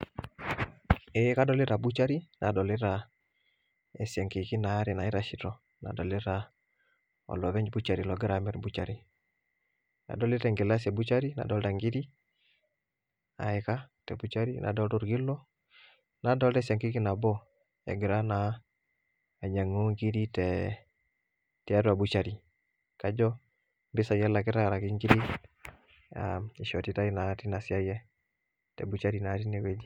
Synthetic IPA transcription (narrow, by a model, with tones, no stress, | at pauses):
ɛ˨˦ka˦dɔ˨lɪ˦ɾa˨bu˦t͡ʃa˦ɾi˦nʔa̰˨dɔ˨lɪ˦ɾa˨ | ɛ˨sɛ˨ŋki˨ki˦na˨˦ɾɛ˨na˨ɪ˦ɾa˨ʃi˨tɔ˨ | na̰˨dɔ˨lɪ˦ɾa˨ | ɔ̰˨lɔ˨βɛ˦ɲd͡ʒbu˦t͡ʃa˨ɾi˨lɔ˨ɡɪ˦ɾa˨˦mɛ˦ɾbu˦t͡ʃa˨ɾi˨ | na̰˨dɔ˨lɪ˦ɾɛ˨ŋɡɪ˨la˦sɛ˨bu˦t͡ʃa˦ɾi˦na̰˨dɔ˨˦lta˨ŋɡi˦ɾi˦ | a̰˨ɪka˦tɛ˨bu˦t͡ʃa˦ɾi˦nʔa̰˨dɔ˦ltɔ˦ɾɡi˦lɔ˦ | na˨˦dɔ˦ltɛ˦sa˨ŋki˦ki˦na˨bɔ˦ | ɛ̰˨ɡɪ˨ɾa˦na˨ | ɲa˨ŋo˦ŋɡi˦ɾi˦tɛ | tɛ˨a˦tu˦a˨bu˦t͡ʃa˨ɾi˨ | ka˦d͡ʒɔ˦ | mbɪ˦sa˨jɛ˦la˨kɪ˦ta˦˨ɾa˨ki˦ŋɡi˦ɾi˦ | a̰i˨ʃɔ˨ti˦ta˦i˦na˨˦ti˦na˨si˦a˦jɛ˦ | tɛ̰˨bu˨t͡ʃa˦ɾi˨na˨˦ti˦nɛ˨ke˦d͡ʒi˦